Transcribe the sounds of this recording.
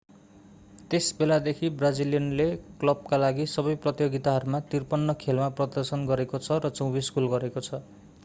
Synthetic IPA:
t̪esbelad̪ekʰibrad͡ziljʌnleklʌb̚kalaɡisʌbʌjprʌt̪joɡit̪aɦʌɾumat̪irpʌnːʌkʰelmaprʌd̪ʌrsʌnɡʌɾekot͡sʰʌɾʌt͡sowbiskulɡʌɾekot͡sʰʌ

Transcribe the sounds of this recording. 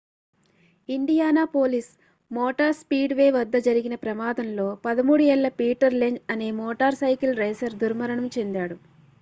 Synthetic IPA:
iɳɖijaːnaːpoːlis | mɔːʈaːɾspiːɖʋe̞ːʋɐd̪ːɐd͡ʒɐɾiɡinɐpɾɐmaːd̪ɐmlo̞ːpɐd̪ɐmuːɽuɛɭːɐpiːʈɐɾleɲd͡ʒɐne̞ːmɔːʈaːɾsɐjkilɾeːsɐɾd̪uɾmɐɾɐɳɐmt͡ʃe̞nd̪aːɽu

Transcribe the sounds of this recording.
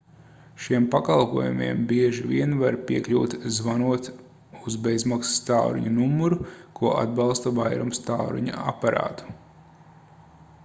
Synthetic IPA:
ʃiɛmpakalˠpuɔjumiɛmbiɛʒiviɛnvaɾpiɛkʎʲuːt̪zvanuɔt̪ | uzbezmaksi̥st̪awɾṵɲunumːuɾukuɔʔa̰d̪̚bɑlˠst̪ɐvajɾumst̪awɾṵɲa̰a̰paɾa̰ːt̪u̥

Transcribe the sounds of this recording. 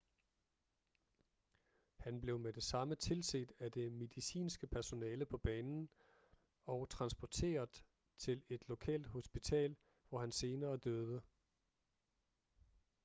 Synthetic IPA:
hænb̥le̝ʊmed̥e̝sɑ̈mət͡sʰe̝lse̝d̥æd̥e̝me̝ðˠisḭːnsɡ̥əpʰæɐso̝nɛːləpʰɒ̽b̥ɛːnn̩ | ɒ̽t͡sʰʁɑ̈nsb̥ɒt͡sʰe̝̰ːɐðˠ | t͡sʰe̝le̝d̥lo̝kʰɛ̰ːld̥ho̝sb̥it͡sʰɛ̰ːl | ʋɒhænse̝ːnɐːd̥øːðˠə

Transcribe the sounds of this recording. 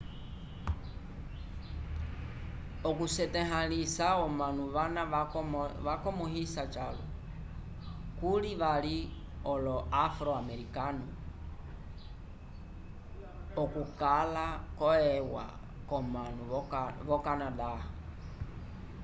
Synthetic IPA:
ɔkusɛtɛɦalisaɔmanuʋana | ʋakɔmuhisat͡ʃalɔ̰ | kuliʋali | ɔlɔafɾɔamɛɾikanu | ɔkukalakɔɛwa̰ | kɔmanuʋɔkanadaha

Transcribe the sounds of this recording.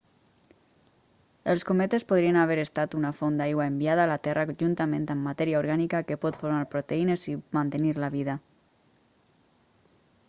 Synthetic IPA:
elˠskomet̪espoðɾienaβeɾest̪at̪unafond̪ajɣwaembiaðaːlat̪ɛraʒunt̪amẽnt̪amːat̪ɛɾiaoɾɣanikakepɔt̪foɾmaɾpɾot̪einezimant̪eniɾlaβiða

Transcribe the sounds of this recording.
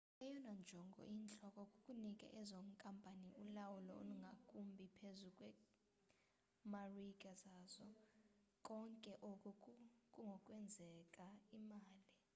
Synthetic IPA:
ɛjɔnand͡ʒʱɔŋɡʱɔ̰ʔint͡ɬʼɔkʼɔkʼukʼunikʼɛ̰ʔɛzɔŋkʼampʼaniulawulɔo̰luŋɡʱakʼumbʱipʰezukʼwɛ | marikʼazaːzɔkʼɔŋkʼɛʔokʼɔkʼuŋʱɔkʼwɛnd͡zʱɛkʼaimaːli

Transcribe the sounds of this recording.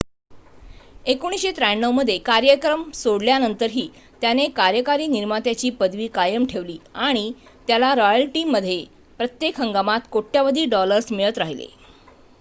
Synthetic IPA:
ekoɽ̃isɕet̪ɾajɳːəʋməd̪ʱːjekaɾjəkɾəmsoɽljanənt̪əɾɦiː | t̪janekaɾjəkaɾiːniɾmat̪jat͡ɕiːpəd̪ʋiːkajəmʈʰeʋliːaɽ̃i | t̪jalaɾɔjəlʈiːmːəd̪ʱːje | pɾət̪jekɦəŋɡamat̪koʈːjaʋəd̪ʱiːɖɔləɾsmiɭət̪ɾaɦilḛ

